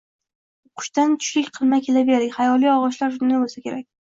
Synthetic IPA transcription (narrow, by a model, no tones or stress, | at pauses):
qʰʊ̥ʃt̪ant̪ʰʊ̥ʃlʲɪkʲqʰɨlˠmakʲʰe̞labe̞ɾd̪ɪkʲhajɒlˠijɒʁɒʃlaɾʃʊnd̪abolˠsakʲʰe̞ɾak̚ʲ